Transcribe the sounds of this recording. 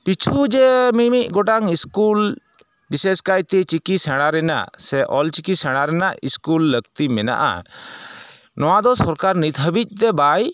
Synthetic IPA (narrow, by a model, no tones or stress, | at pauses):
pit͡ʃʰud͡ʒɛmimiʔ̚ɡɔʈaŋiskul | bisɛskajt̪ɛt͡ʃikisɛɽ̃aɾɛna̰ʔsɛʔɔlt͡ʃikisɛɽ̃aɾɛnaʔiskulːəɡt̪imɛna̰ʔa̰ | nɔwad̪ɔsɔɾkaɾnit̪ʰəbic̪̚ˀt̪ɛbaj